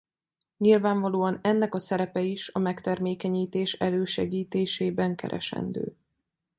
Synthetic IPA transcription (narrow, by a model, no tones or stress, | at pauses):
ɲilvaːɱvɒloːɒnɛnːɛkɒsɛɾɛpɛiʃɒmɛkt̪ɛrmeːkɛɲiːt̪eːʃɛløːʃɛɡiːt̪eːʃeːbɛŋkɛ̰ɾʔɛ̰ʃɛ̰nd̪ø̰ː